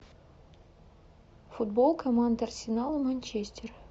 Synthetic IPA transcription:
fud̪̚bolˠkʰɐmand̪ɐrsʲɪnalˠɨmɐnʲt͡ʃesʲtʲɪr

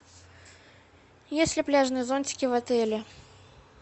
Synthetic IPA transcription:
jesʲlʲɪplʲaʐnɨjəzonʲtʲɪ̥kʲɪvɐt̪ɛlʲɪ

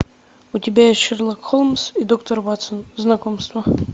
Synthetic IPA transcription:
ʊtʲɪbʲajesʲʃɛrlˠakxolˠmsid̪okt̪ərvat̪sənznɐkomst̪və

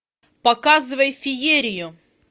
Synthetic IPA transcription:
pɐkazɨvəjfʲɪjeɾʲɪjʊ

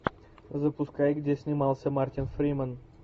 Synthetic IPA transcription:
zə̆puskɑjkd̪ʲesʲnʲimɑlˠsʲəmɑrt̪ʲinfrʲimən

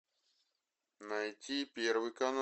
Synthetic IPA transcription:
nɐjtʲipʲervɨjkɐn

